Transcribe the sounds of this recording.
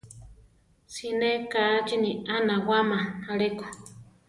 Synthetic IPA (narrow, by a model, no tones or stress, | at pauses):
sinẽkat͡ʃinianãwamaaɺeko̥